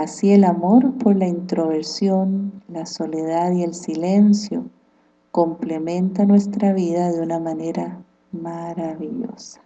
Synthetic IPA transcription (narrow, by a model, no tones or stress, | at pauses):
asielamo̞ɾpo̞ɾlaint̪ɾo̞βeɾsjo̞nlaso̞le̞ð̞aðie̞lsile̞nsjo̞̰ | ko̞mple̞mẽ̞nt̪anwe̞st̪ɾaβiðaðeunamane̞ɾa | maɾaβiʎo̞̰sḁ